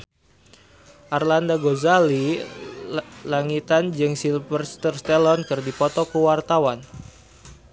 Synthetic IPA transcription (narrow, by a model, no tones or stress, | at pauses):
ʔarlandaɡozali | laŋit̪and͡ʒɨŋsilpərst̪ərst̪ɛlɔnkɨrdipɔt̪ɔkuwart̪awan